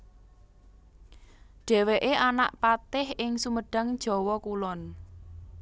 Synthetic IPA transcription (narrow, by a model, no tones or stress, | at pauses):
ɖ̥ɛ̤weʔeʔana̰ʔpat̪ɪhɪŋsuməɖ̥ä̤ŋ̥d͡ʒ̥ɔ̤wɔkulɔn